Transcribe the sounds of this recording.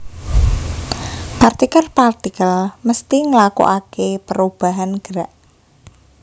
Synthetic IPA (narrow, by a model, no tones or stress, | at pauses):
part̪ikərpart̪ikəlməst̪iŋəlakṵʔakepəɾub̥a̤ɦanɡ̥əɾaʔ